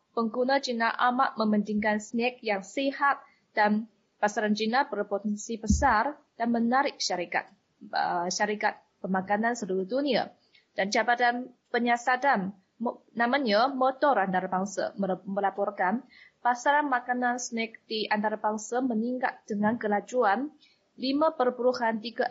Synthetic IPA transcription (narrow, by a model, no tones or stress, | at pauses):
pəŋɡunəd͡ʒinaʔamaʔməməndiŋkansnɛk̚jaŋsihat̪̚ | d̥an | pasaɾand͡ʒinabərpot̪ɛnsibəsar | d̥anmənaɾɪk̚ʃaɾika̰t̪̚ | əʃaɾikat̪̚ | b̥əmakanansəluɾuhdunia̰ | d̥ant͡ʃabadanpəɲasadan | namaɲəmɔt̪ɔɾant̪aɾabaŋsa̰məməlapɔrkan | pasaɾanmakanansənɛk̚diʔant̪aɾabaŋsaməniŋɡa̰t̪̚d̥əŋankəlad͡ʒuan | limapərbuɾuhant̪iɡa